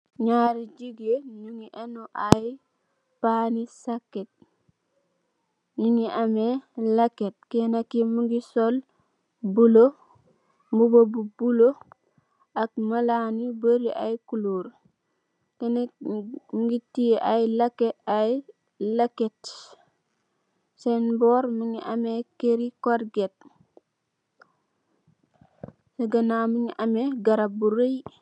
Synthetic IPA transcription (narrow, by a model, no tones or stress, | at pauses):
ɲaɾid͡ʒiɡeɲuŋiʔenuʔaji | panisakːet̚ | ɲuŋiʔamelaket̚kenakimuŋɡisol | bulo | mubobubulo | ak̚malanibəɾiʔajkuluːɾ | kene | ŋɡitiʔajlɐkːeaj | lɐket | senboːɾməɲiʔɐmekeɾikoɾɡet̚ | seɡɐnamuɲiʔɐmeɡɐɾabuɾej